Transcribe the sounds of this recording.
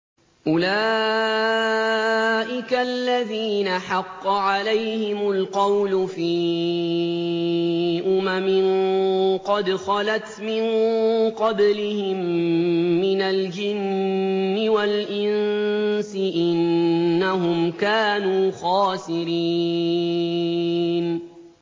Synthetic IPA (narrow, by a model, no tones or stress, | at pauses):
ʔʊlaː | ʔɪkalːaðiːnaħɑqːɑʕalajhɪmʊlqɑwlʊfiː | ʔʊmamɪn | qɑd̪xɑlat̪mɪnqɑblɪhɪmː | ɪnald͡ʒɪnː | ɪwalʔɪnsɪʔɪnːaɦʊmkaːnuːxaːsɪɾiː | n